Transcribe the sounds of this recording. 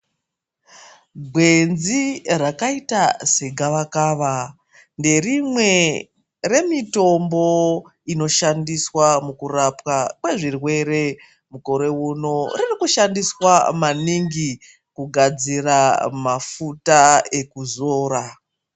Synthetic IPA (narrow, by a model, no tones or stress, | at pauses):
ɡʱwe̞nzirakaitaseɡʱaʋakaːʋa | nde̞rimwe̞ | re̞mito̞mbo̞ | ino̞ʃandiswamukurapwakwe̞ʐirwe̞ɾe̞ | muko̞ɾe̞uno̞ririkuʃandiswamaniŋɡi | kuɡʱad͡ziramafutae̞kuzo̞ːɾa